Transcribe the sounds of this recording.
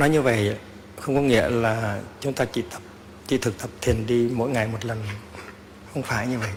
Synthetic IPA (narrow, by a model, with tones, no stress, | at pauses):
nɔ˨˦jɲɨ˧və̰˧˨j | xə˧wŋ͡mkɔ˨˦ŋḭ˧˥əlaː˨˩t͡ɕʊ˨˦ŋ͡mt̪aː˧t͡ɕḭ˧˨t̪ə˨˩p̚ | t͡ɕḭ˧˩t̪ʰɨ˨˩k̚t̪ə˨˩p̚t̪ʰi˨˩ənɗi˧mo̰˧˥jŋa˨˩jmo˨˩t̚lə˨˩n | xə˧wŋ͡mfaː˧˩jɲɨ˧və̰˧˨j